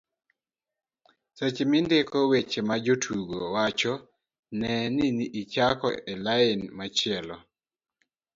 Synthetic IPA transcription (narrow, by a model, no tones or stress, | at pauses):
set͡ʃmindekɔwet͡ʃemad͡ʒotʰuɡowat͡ʃɔ | nɛniniʔit͡ʃakɔ̰elaɪnmat͡ʃɪɛlɔ